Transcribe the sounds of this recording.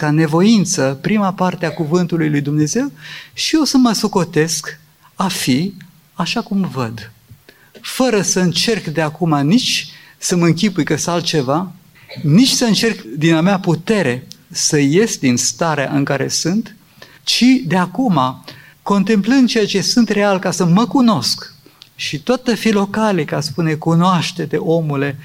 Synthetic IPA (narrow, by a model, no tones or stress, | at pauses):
kane̞vo̞int̪səpɾimapart̪eakuvɨnt̪ulujlujd̪umne̞ze̞wʃio̞səməsoko̞t̪e̞sk | afi | aʃakumvəd̪ | fəɾəsəɨnt͡ʃe̞rkd̪eakumanit͡ʃʲ | səmɨŋkʲipujkəsalt̪̚t͡ʃe̞va | nit͡ʃʲsəɨnt͡ʃe̞rkd̪inameaput̪e̞ɾe̞səje̞sʲd̪inst̪aɾea̰ʔɨŋkaɾe̞̰sɨnt̪ | t͡ʃid̪eakuma | ko̞nt̪e̞mplɨnd̪̚t͡ʃe̞jat͡ʃe̞sɨnt̪re̞alkasəməkuno̞sk | ʃit̪oat̪ːəfilo̞kalikaspune̞kunoaʃt̪e̞t̪e̞ʔo̞mule̞